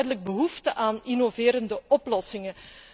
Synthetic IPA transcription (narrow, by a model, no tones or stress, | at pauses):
jdələɡ̚bəɦuftəʔaːninoveːɾəndəɔplɔsɪŋə